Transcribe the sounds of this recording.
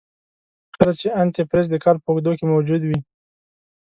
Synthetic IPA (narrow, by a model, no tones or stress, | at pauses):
kʰəɾat͡ʃeant̪epɾes̬d̪əkɑɾpəuɡd̪okemawd͡ʒud̪wi